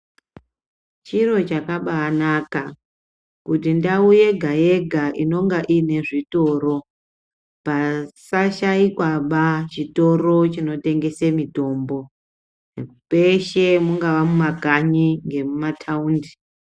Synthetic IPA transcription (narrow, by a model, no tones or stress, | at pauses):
t͡ʃiro̞t͡ʃakaɓaːnaka | kutindauje̞ɡʱaje̞ɡʱaʔino̞ŋɡaʔine̞ʐito̞ːɾo̞ | pasaʃaikwaɓat͡ʃito̞ro̞t͡ʃino̞te̞ŋɡe̞semito̞ːmbo̞ | peʃemuŋɡaʋamumaɡʱaɲiŋɡe̞mumatʰauːndi